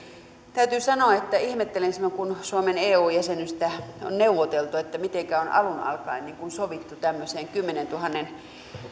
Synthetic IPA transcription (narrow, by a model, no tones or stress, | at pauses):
t̪æyt̪yːsɑnoɑet̪ːæihmet̪ːelensmækunsuomeneːuːjæsenyst̪æo̰nneuʋot̪elt̪uet̪ːæmit̪eŋkæonʔɑ̰lunɑ̰lkɑ̰inniːŋkunsoʋit̪ːut̪æmːøseːŋkymːenent̪uhɑnːen